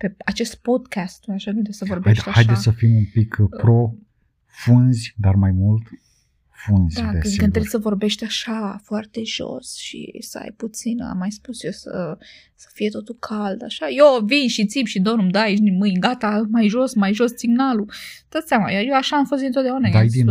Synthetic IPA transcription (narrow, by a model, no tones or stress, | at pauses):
peat͡ʃe̞st̪̚po̞d̪kʰast̪ːujaʃakɨnɾesəvo̞rbeʃt̪aajʃd̪esəfimumpikpɾo | funzʲd̪armajmult̪ | funzʲd̪akɨnkɨnɾesʲsəvo̞rbe̞ʃt̪ʲaʃafoart̪e̞ʒ̥o̞̰sʃḭsəa̰jput̪sina̰mːajspusjesə̰ | sə̥fije̞t̪o̞t̪ulkʰald̪aʃajovinʃit̪sibʃid̪o̞numd̪ajnimɨjɡat̪amajʒo̞smajʒo̞ssiɡnalud̪̥at̪seamajajoaʃaːmfo̞s̬td̪int̪ot̪d̪aunaɡd̪ajd̪in